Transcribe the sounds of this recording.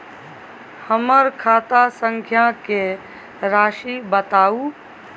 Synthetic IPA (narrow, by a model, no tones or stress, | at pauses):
həməɾkʰaːt̪asə̃ŋkʰjake | ɾaːʃibət̪aːuː